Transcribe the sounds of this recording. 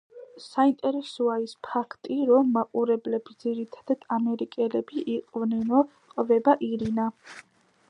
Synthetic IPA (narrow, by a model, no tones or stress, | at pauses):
saint̪ʼɛɾɛsɔaispʰakʰt̪ʼiɾɔmːaqʼuɾɛblɛbisd̪ziɾit̪ʰḁd̪̥ad̪̥amɛɾikʼɛlɛbiʔiqʼvnɛnɔ | qʼvɛbaʔiɾina